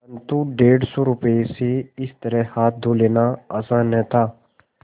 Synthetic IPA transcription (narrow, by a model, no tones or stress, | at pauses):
ɐnt̪uɖeːɽsoːɾʊpeseɪst̪əɾɛhaːt̪̚ʰd̪ʱuːleːnaaːsaːnɛ̃t̪ʰaː